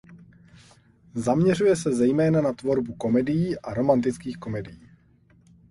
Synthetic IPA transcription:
zamɲɛr̝ujɛsɛzɛjmɛːnanat̪vo̞ɾbuko̞mɛdɪjiːʔaɾo̞mant̪ɪt͡skiːxko̞mɛdɪjiː

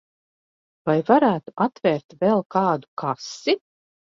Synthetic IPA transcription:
vajvaɾæːt̪uʔat̪vʲɛɾt̪vɛlˠkɑːd̪u̥kʰasi

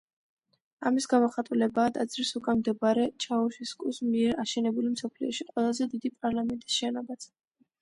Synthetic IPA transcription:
amisɡamɔχat̪ʼulɛbaːd̪ad̪zɾisukʼamd̪ɛbaɾɛt͡ʃʰauʃiskʼusmiɛɾaʃɛnɛbulimsɔpʰliɔʃiqʼwɛlˠazɛd̪id̪ipʼaɾlˠamɛnt̪ʼi̥sʃɛnɔbat̪sʰ

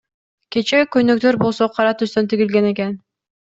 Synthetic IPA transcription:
kʲe̞t͡ʃekøjnøk̚t̪ø̞ɾbo̞lˠsoqʰɑɾɑt̪yst̪ønt̪iɡilɡene̞ke̞n

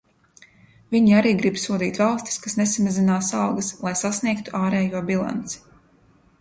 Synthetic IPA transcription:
vʲiɲiaɾiːɡɾibsuɔd̪iːt̪valˠst̪i̥skasnesamazinaːsawɡɐslˠajsasniɛkt̪u̥ʔaːɾɛːjuɔbilˠa̰nt̪si̥

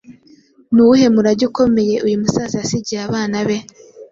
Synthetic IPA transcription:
nuuhe̞muɾaɟuko̞me̞je̞ʔujumusaziasiɟiaβaːnaβe̞

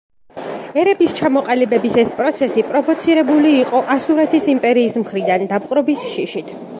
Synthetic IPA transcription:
ɛɾɛbist͡ʃʰamɔqʼalibɛbisɛspʼɾɔt̪sʰɛsipʼɾɔvɔt̪sʰiɾɛbuliːqʼɔʔasuɾat̪ʰisimpʼɛɾiːsmχɾid̪and̪ap̚qʼɾɔbisʃiʃit̪ʰ

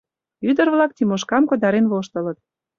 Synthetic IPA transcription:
yd̪ərβlɑk̚t̪imoʃkɑmkŏd̪ɑɾenβoʃt̪ə̆lə̆t̪̚

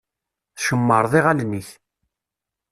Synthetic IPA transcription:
θʃəmːəɾˤðˤiʁælniθ

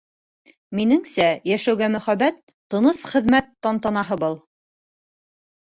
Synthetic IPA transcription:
minɘŋsæjæʃæwɡæmɵ̆χæβæt̪ːɤ̆nɤsχɘ̆ðmæt̪ːɑnt̪ɑnɑɦɤbɤlˠ

